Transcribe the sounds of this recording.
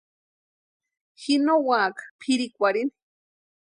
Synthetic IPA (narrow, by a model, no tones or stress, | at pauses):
xinowaːkḁpʰiɾikʷaɾini̥